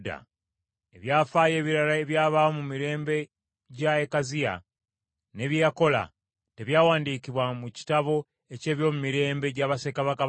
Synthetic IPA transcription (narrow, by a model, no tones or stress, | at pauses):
da̰ | e̞βjaːfaːje̞ːβiɾalaeβjaːβaomumiɾe̞ːmbe̞ | ɟaekazija̰ | ne̞ːβjeako̞la̰ | te̞βjaːwaːndiːkiβwamuci̥taβo̞ | e̞ce̞ːβjo̞ːmumiɾe̞ːmbe̞ɟaːβase̞kaβaka